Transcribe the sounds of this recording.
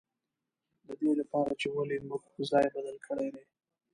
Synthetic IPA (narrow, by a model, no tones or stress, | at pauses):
d̪əd̪elapɑɾat͡ʃewalemʊɡpəzɑjbad̪əlkʰəɽejd̪e